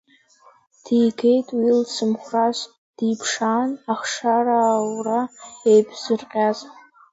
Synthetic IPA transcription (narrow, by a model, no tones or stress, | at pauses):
d̥ijɡe̞jtʼwilsɨmχʷraʃʷ | d̥ipʰʂanaχʂaɾaːwraejbʰz̥ɨrqʲʼaz